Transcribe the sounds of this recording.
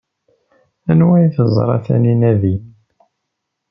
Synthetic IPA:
ænwæjθəzˤɾˤɑ̰θæ̰ninæðin

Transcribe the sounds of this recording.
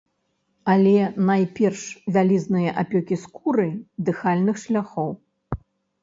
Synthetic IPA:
alʲɛnajpʲɛrʂvʲalʲiznɨjɐʔapʲɔkʲiskuɾɨd̪ɨxalʲnɨxʂlʲaxɔw

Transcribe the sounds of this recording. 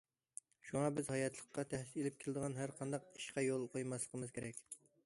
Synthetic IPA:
ʃuŋɑbɪzhɑjɑt̪ʰlˠəqːɑt̪ʰæhselɪp̚kʲʰɪlˠɪd̪əʁɑnɦæɾqʰɑnd̪ɑq̚i̥ʃqɑjolˠqʰojmɑslˠəqʰəmɨzkʲʰeɾɛkʲ

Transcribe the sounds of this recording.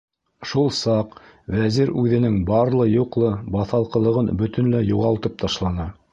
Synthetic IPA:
ʃulˠsɑqvæziɾʉðɘ̆nɘŋbɑɾlˠɤjuqlˠɤbɑθɑlˠqɤ̆lˠɤ̆ʁɤnbɵ̆t̪ɘ̆nlæjuʁɑlˠt̪ɤp̚t̪ʰɑʃlˠɑnɑ

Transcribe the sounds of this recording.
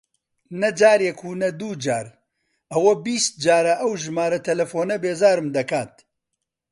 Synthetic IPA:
nɐd͡ʒaːɾjekʰuːnɐd̪uːd͡ʒaːɾ | ɐwɐbiːst̪̚d͡ʒaːɾɐʔɐwʒɨmaːɾɐt̪ʰɐlɐfoːnɐbeːzaːɾɨmd̪ɐkaːt̪̚

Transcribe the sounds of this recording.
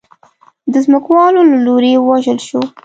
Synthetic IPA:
d̪əzməkwɑlolaloɾewɑʒəlʃo

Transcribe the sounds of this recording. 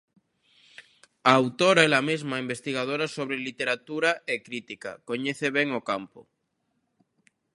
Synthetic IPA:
aːwt̪oɾaelamezmaimbest̪iɣ̞að̞oɾasoβɾelit̪eɾat̪uɾaʔekɾit̪ika̰koɲeθeβeŋokampo̰

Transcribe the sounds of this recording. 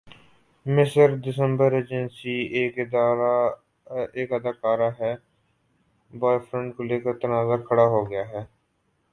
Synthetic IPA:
mɪsəɾd̪ɪsə̃mbəɾeːd͡ʒənsiːeːkɪd̪aːɾa | eːkəd̪aːkaːɾaːɦɛː | bɔːjfɾə̃ɳʈ̚koleːkəɾt̪ənaːzakʰəɽaːɦoːɡɪjaːɦɛː

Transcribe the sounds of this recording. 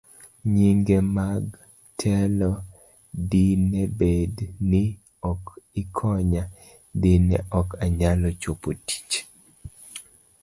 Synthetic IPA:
ɲiŋɡemaɡ | tʰɛlɔ | dinebednɪ | ɔkɪkʰɔɲa | dinɛ̰ʔɔkaɲalɔt͡ʃopoti̥t͡ʃ

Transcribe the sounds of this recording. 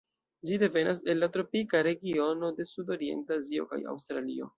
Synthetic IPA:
d͡ʒide̞ve̞nʔase̞nlːatɾo̞pikaɾe̞ɡio̞no̞de̞sudo̞ɾie̞̰ntazio̞̰ka̰ja̰wstɾalio̞̰

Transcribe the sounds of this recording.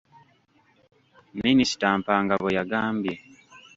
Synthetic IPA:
minisi̥taːmpaŋɡaβojaɡaːmbje

